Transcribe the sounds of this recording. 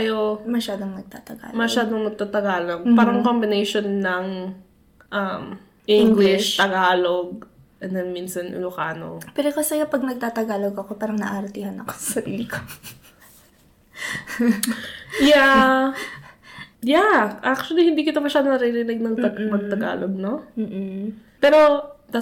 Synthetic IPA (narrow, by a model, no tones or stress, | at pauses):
kɐjomɐʃaːd̪oŋnɐɡ̚t̪a̰ːt̪ɐɡa̰ːlmɐʃaːd̪oŋnɐɡ̚t̪aːt̪ɐɡaːloɡ̚paːɾɐŋkombɪnejʃonːɐŋ | ʔɐm | ʔɪŋɡlɪʃt̪ɐɡaːloɡ̚ | ʔɛnd̪ɛnminsɐnlʊkaːno̰pɛɾokɐsɛɡɐpɐɡ̚nɐɡ̚t̪aːt̪ɐɡaːloɡɐko̞paːɾɐŋnɐ̰ʔaɾɐt̪iːhɐnɐkosɐsɐɾḭːlɪko | ja | jaʔak̚t͡ʃʊɐlihɪnd̪iːkɪt̪omɐʃaːd̪onɐɾiɾɪnɛɡ̚nɐɡ̪mɐɡ̚t̪ɐɡa̰ːloɡ̚no̞ | pɛːɾo̞d̪a